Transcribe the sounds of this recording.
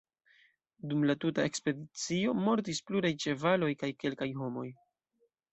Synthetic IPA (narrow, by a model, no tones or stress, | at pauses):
dumlatutae̞kspe̞dit͡sio̞mo̞ɾt̬ispluɾajt͡ʃe̞valo̞jkajke̞lkajɦo̞mo̞̰j